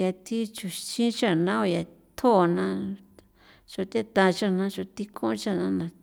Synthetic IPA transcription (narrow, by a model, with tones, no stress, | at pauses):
ja˧t̪ʰi˦t͡ʃu˧t͡ʃĩ˦t͡ʃa˦˨nã˦o˧˨ja˨ | t̪ʰo˦˨˧nã˧ | t͡ʃo˧t̪e˦t̪ã˧t͡ʃa˦˨nã˧˦ʒo˧t̪i˦kʰõ˦t͡ʃa˦nã˧˦nã˧